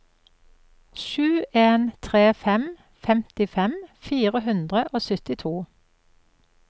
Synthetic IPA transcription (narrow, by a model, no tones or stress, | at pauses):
ʃʉːʔeːnt̪ʰʁeːfɛm | fɛmt̪ɪfɛmfiːʁəhʉnd̪ʁəʔoːsʏt̪ɪt̪ʰuː